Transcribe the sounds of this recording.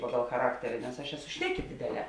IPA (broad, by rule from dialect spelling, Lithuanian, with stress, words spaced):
ˈpɑːɡɐlˠ xɐˈrɑːktʲɛrʲɪ nʲɛs ɐʃ ˈæːˌsʊ ˈʃʲnʲæːˌkʲɪ ˈdʲeːdʲeːˌlʲɛː